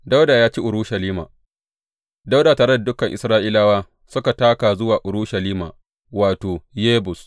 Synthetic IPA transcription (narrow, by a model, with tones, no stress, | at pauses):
da˦wda˨jaː˦t͡ʃi˦ʔʊ˨ɾu˦ʃɐ˨liː˦ma̰ː˨ | da˦wdaː˨taː˨ɾe˦da˨dʊ˦kɐ˨ŋʔɪ˨sɾaː˦ʔɪ˦laː˦waː˦ | sʊ˦ka˨taː˦kaː˨zʊ˦waː˨ʔʊ˨ɾuː˦ʃɐ˨liː˦ma̰ː˨ | waː˨toː˨jeː˦bʊ˨s